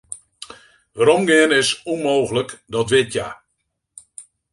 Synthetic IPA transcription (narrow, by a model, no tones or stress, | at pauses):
ʋaɾomɡɪənɪsunmoːɣələkdɔtʋɪtʰja̰